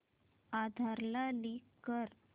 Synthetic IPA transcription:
ad̪ʱaɾlalikːəɾ

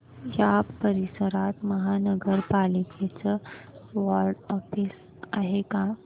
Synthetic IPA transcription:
japəɾisəɾat̪məɦanəɡəɾpaliket͡səʋaɾɖɔfis | aɦeka

